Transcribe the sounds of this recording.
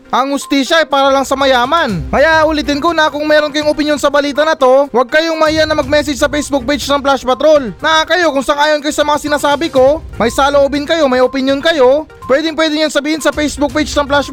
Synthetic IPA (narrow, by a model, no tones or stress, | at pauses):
ʔɐŋhʊst̪iːʃɐɐjpaːɾɐlɐŋsɐmɐjaːmɐnkɐjaʔʊlɪt̪ɪnkonɐkʊŋmɛːɾonkɐjoŋʔopɪnjo̞nsɐbɐliːt̪ɐnɐt̪o̞wɐɡ̚kɐjo̞ŋmɐhiːʔɐnɐmɐɡ̚mɛːs̬ɛd͡ʒsɐpɛjsbʊk̚pɛt͡ʃnɐŋplaʃpɐt̪ɾo̞lnɐʔakɐjo̞kʊŋsaŋʔaːjonkɐjosɐmɐŋasɪnaːsaːbɪko̞mɐjsaloʔoːbɪnkɐjo̞mɐjopɪnjo̞nkɐjo̞ | pwɛːd̪ɪŋp̬wɛːd̪ɪŋjɐŋsɐbiːhɪnsɐpɛjsbʊk̚pɛt͡ʃnɐŋplaʃ